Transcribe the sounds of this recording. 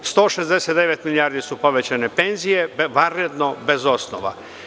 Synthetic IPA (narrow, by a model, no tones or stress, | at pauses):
st̪o̞ːʃezd̪eset̪d̪eʋet̪milijaɾd̪isupo̞ʋet͡ɕanepe̞nzijeʋanɾed̪nobe̞zo̞sno̰ʋa̰